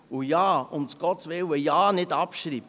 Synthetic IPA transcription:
ujɑːʊmt͡sɡ̥ɔtvɪwəjɑːnɪdɑpʃɾiːb

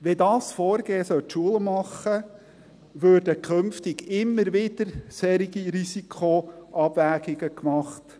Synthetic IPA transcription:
ʋedɑːsfɔːɾɡ̥eːsœltʃuələmɑχːə | ʋøːrdəkʰχɵmftɪɡɪmːəɾʋɪd̥əɾsɛɾiɡiɾisikʰχoʔɑb̥væːɡiɡəkmɑχt

